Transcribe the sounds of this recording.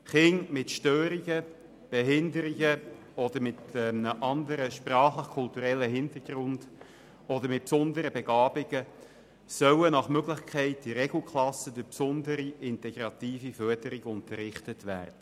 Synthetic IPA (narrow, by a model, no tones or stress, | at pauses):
χɪŋmɪtʃtøːɾiɡə | b̥ɛɦɪndəɾiɡə | ɔd̪əɾmɪtnəʔɑndəɾəʃprɑːχləχkʰʊltuɾɛlːəɦɪntəɾɡ̥rʊnd̥ | ɔdəɾmɪt̚psʊndəɾəbɛɡ̥ɑːbɪɡə | sœwənɑχmøɡlɪχkʰɛɪt̚d̥iɾɛɡl̩ˠkʰlɑsədʏpsʊndəɾiʔɪntɛɡ̥ɾɑt̪iːfifœdəɾɪɡʊntərɪχtətʋæ̰ːrd̥ə